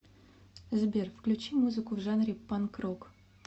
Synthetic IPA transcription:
əzʲbʲerfklʲut͡ɕimuzɨkʊvʐanrʲipːankrok

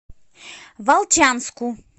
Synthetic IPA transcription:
valˠt͡ʃanskʊ

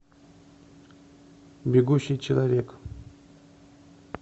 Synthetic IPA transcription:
bʲɪɡuɕːijt͡ɕɪlˠavʲek

